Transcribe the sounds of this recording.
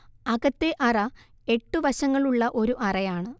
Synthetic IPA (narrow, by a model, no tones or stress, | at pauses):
ɐɣɐt̪ːeʔɐrɐ | e̞ʈːuʋɐɕɐŋːɐɭuɭːɐʔo̞ɾuʔɐrɐjaːɳɨ